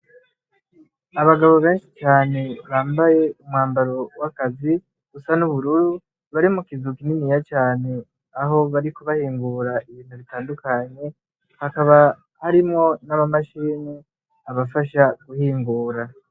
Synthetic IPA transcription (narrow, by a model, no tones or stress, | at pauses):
aβaɡaβo̞βe̞ːnʃi̥t͡ʃaːne̞βaːmbaje̞umŋaːmbaɾo̞wakazi | ɡ̥usanuβuɾuɾu | βaɾimukizukininijat͡ʃaːne̞ | aɦo̞βaɾikuβahiːŋɡuɾaʔiβiːn̥huβitaːndukaɲe̞ | hakaβa | haɾimŋo̞naβamaʃiːni | aβafaʃaɡuhiːŋɡuːɾa